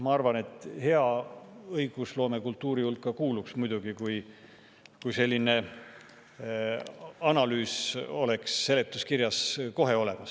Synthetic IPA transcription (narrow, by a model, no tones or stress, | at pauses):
mɑɑrvɑne̞t̪ˑhe̞ɑɤjɡ̥uslo̞ːme̞kult̪ːuːɾiulkːɑkuːluksmujd̪̥uɡ̥ikuj | kujse̞lːine̞ | ɑnɑlyːso̞le̞ksːe̞le̞t̪ːˑuskirjɑsko̞ɦe̞o̞le̞mɑs